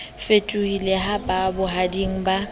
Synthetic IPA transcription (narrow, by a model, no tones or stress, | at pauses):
fetʼuhileɦabʼabʊɦadiŋ̩ba